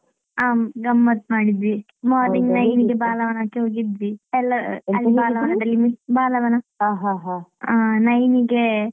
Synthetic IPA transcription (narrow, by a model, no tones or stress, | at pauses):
aːmɡɐmːɐt̪maːɽid̪ʋi | maːɾniŋɡnɐjniɡebaːlɐʋɐnaːkːiɦoːɡid̪ʋiɛlːɐɐlːibaːlɐɐnɐd̪ɐlːimibaːlɐʋɐnɐɦaɦaɦaaːnɐjniɡe